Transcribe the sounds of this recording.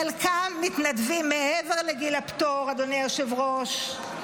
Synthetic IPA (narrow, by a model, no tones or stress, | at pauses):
alkamːit̪nadvimːeeveʁleɡilapt̪oʁad̪onejoʃevʁoʃ